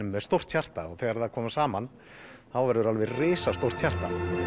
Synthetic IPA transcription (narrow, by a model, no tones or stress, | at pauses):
ʏmːɛðst̪owr̥t̪çar̥t̪aɔɣθɛːɣaɾðakʰɔːmasaːman | θawvɛɾðʏɾalvɪrɪːsast̪owr̥t̪çar̥t̪a̰